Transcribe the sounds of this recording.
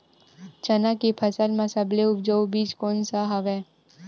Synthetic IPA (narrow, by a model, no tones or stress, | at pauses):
t͡ʃənãkipʰəsəlmãsəbleʊp̚d͡ʒəʋubiːt͡ʃkoːnsaɦəʋe